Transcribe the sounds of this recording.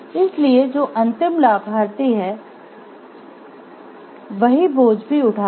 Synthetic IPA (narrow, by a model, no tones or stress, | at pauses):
ɪslied͡ʒoːʔɐ̃nt̪ɪmlaːbʱaːɾt̪iɦɛː | ʋɐɦiboːd͡ʒbʱiʊʈʰaː